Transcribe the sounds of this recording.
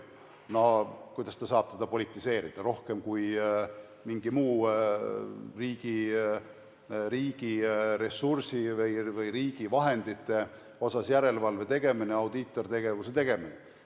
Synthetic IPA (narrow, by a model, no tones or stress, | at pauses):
nokujd̪ɑst̪ɑsɑːb̥̚t̪ed̪̥ɑpo̞lit̪ːˑise̞ːɾid̪̥ɑɾo̞hke̞mkuj | miŋɡ̥imuː | riːɡ̥i | ɾiːɡ̥iɾe̞sːursivɯjvɯjɾiːɡ̥ivɑɦe̞nd̪̥it̪ːˑe̞ | o̞sɑsjæɾe̞lvɑlve̞t̪e̞ɡ̥e̞mineɑwd̪it̪ːˑo̞rit̪e̞ɡe̞vus̬et̪e̞ɡ̥e̞mine